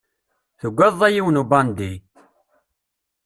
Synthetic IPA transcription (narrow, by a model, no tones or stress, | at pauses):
θəɡʷːæðˤːæjiwənubɑnd̪i